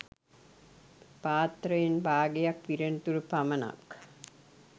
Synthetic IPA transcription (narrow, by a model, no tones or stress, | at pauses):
paːt̪rəjenbʱaːɡejakʋiɾent̪uɾupamɐna̰k